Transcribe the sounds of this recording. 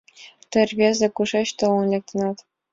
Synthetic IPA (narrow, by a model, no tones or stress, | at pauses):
t̪ʲɘ̆rʲbʲezʲɘ̆kuʂeɕt̪ɤ̆ɤ̆nlʲek̚ʲt̪ɤ̆nɑt̪ʲ